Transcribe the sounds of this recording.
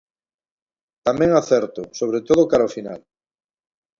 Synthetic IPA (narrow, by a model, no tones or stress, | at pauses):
t̪amɛ̃ŋaθɛɾt̪ʊsoβɾet̪oðʊkaɾaofina̰l